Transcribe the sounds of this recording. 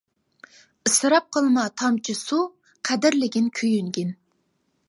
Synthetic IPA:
ɨsɨɾɑp̚qʰəlˠmɑt̪ʰɑmt͡ʃʰisu | qʰæd̪ɪɾlɪɡʲɪnkʲʰøjyŋɡʲin

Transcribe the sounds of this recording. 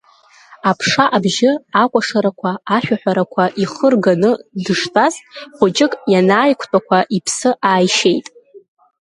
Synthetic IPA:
apʰʂaʔabʒɪakʷʼaʂaɾakʷʰaːʃᶣaħʷᶣaɾakʷʰaʔiχərɡanɨdɨʂtʼastʼχʷʊt͡ʃʼɪkʼjanaːjkʷʰtʼakʷʰaʔipʰsɨʔaːjʃejtʼ

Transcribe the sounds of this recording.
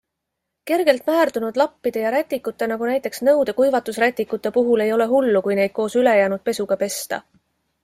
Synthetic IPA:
ke̞rɡ̥e̞lt̪mæːrd̪̥unud̪̥lɑpːid̪̥e̞jɑɾæt̪ʲːˑikːˑut̪ːe̞nɑɡunæjt̪ːˑe̞ksnɤ̞wd̪e̞kujvɑt̪ːˑusrɾæt̪ʲːˑikːˑut̪ːˑe̞puɦule̞jo̞le̞ɦulːukujne̞jd̪̥̚ko̞ːsyle̞jæːnud̪̥̚pe̞suɡ̥ɑpe̞st̪ɑ̰

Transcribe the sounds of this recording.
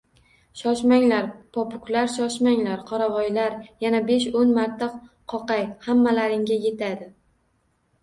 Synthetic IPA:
ʃɒʃmaŋlaɾpʰɒpʰʊklaɾʃɒʃmaŋlaɾqʰɒɾavɒjlaɾjanabe̞ʃonmaɾt̪ʰːa | qʰɒqɑjhamːalaɾɪŋɡʲaje̞t̪ʰad̪ɪ

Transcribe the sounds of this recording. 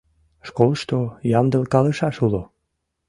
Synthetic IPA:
ʃkolʃt̪ojɑmd̪əlkɑləʃɑʃulo

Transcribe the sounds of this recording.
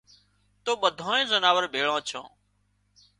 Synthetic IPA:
t̪oːɓəd̪ʱãːẽːzənaːʋəɾbʱeːɭãːt͡ʃʰã̰ː

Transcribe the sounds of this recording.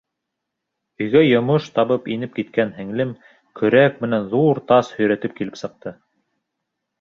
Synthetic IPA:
ɵ̆jɡæjŏmoʃt̪ɑβɤpinɘp̚kit̪̚kænhɘ̆ŋlɘm | kʰɵ̆ɾæk̚mɘ̆nænðuɾt̪ɑshɵ̆jɾæt̪ɘp̚kilɘpsɤ̆q̚t̪ɤ

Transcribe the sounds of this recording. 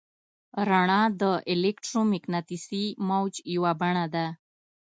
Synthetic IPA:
ɾaɳɑd̪əʔɪlekʈɾomɪknat̪isimawt͡ʃjawabaɳ̃ad̪a

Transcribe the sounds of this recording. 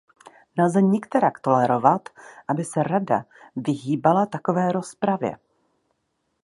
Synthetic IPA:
nɛlzɛɲɛkt̪ɛɾakt̪o̞lɛɾo̞vat̪ʔabɪsɛɾada̰ | vɪɦiːbalat̪ako̞vɛːɾo̞spɾavjɛ̰

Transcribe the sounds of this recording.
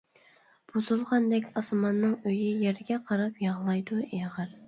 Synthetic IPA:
b̥ozulˠʁɑnd̪ɛkʲɑsmɑnːɨŋøjɪjɛɾɡʲɛqʰɑɾɑpjɑʁlˠɑjd̪ueʁəɾ

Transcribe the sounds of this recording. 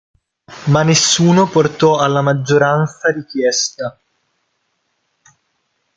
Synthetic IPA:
manːesːuːnoport̪ɔalːamad͡ʒːoɾant̪saɾikjɛst̪a

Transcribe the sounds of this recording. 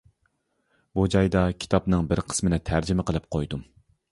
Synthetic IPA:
bud͡ʒɑjd̪ɑkʲʰi̥t̪ʰɑpnɨŋbɪɾqʰə̥smɪnɪt̪ʰæɾd͡ʒɪmɪqʰəlˠɨp̚qʰojd̪um

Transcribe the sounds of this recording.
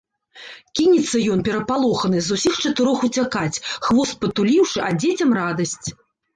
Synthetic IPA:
kʲinʲit̪sːɐjɔnpʲɛɾɐpalˠɔxɐnɨzusʲixt͡ʂɐt̪ɨɾɔxut͡sʲakat͡sʲxvɔst̪̚pɐt̪ulʲiwʂɨʔad͡zʲet͡sʲɐmrad̪ɐsʲt͡sʲ

